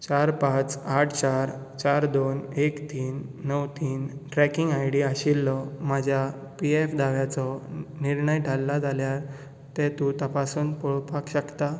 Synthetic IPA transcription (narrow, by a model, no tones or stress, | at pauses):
t͡ɕaɾpãt͡saʈʰt͡ɕaɾ | t͡ɕaɾd̪onekt̪iːnːəwt̪iːnʈɾɛkiŋɡajɽiaɕilːɔm̤ad͡ʑʱjapiefd̪aʋjat͡sɔniɾɳəjʈalːad͡zaljaɾ | t̪ɛ̃t̪ũt̪əpasuːnpɔɭpakɕəkt̪a